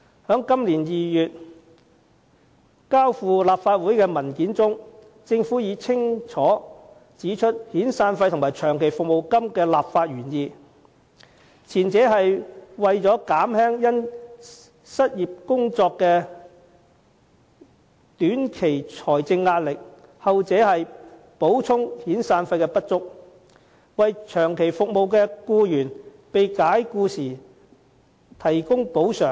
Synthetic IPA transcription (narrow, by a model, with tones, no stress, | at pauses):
hœː˨˥ŋkɐ˥mliː˨˩njiː˨jyː˨t̚ | kaː˥wfuː˨laː˨p̚faː˧t̚wuː˨˥jkɛː˧mɐ˨˩nkiː˨˥nt͡sʊ˥ŋ | t͡sɪ˧ŋfuː˨˥jiː˨˧t͡sʰɪ˥ŋt͡ʃʰɔː˨˥ | t͡siː˨˥t͡ʃʰɵ˥t̚hiː˨˥nsaː˧nfɐ˧jt̪ʰʊ˨˩maː˨˩jt͡ʃʰœː˨˩ŋkʰe˨˩jfʊ˨k̚mo˨wkɐ˥mkɛː˧laː˨p̚faː˧t̚ɥyː˨˩njiː˨˧ | t͡sʰiː˨˩nt͡sɛː˨˥ɦɐ˨jwɐ˨jt͡ʃɔː˨˥kaː˨˥mhɛː˥ŋjɐ˥n | sɐ˥t̚jiː˨p̚kʊ˥ŋt͡sɔː˧kːɛː˧ | t̪yː˨˥nkʰe˨˩jt͡ʃʰɔː˨˩jt͡sɪ˧ŋːaː˧t̚lɪ˨k̚hɐ˨wt͡sɛː˨˥hɐ˨j | po˨˥wt͡sʰʊ˥ŋhiː˨˥nsaː˧nfɐ˧jkɛ˧pɐ˥t̚t͡sʊ˥k̚ | wɐ˨jt͡ʃʰœː˨˩ŋkʰe˨˩jfʊ˨k̚mo˨wkɛː˧kuː˧jyː˨˩n | pe˨jkaː˨˥jkuː˧siː˨˩ | t̪ʰɐ˨˩jkʊ˥ŋpo˨˥wsœː˨˩ŋ